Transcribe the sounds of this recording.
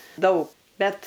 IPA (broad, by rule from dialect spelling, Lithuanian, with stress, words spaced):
ˈdɐʊk ˈbʲɛt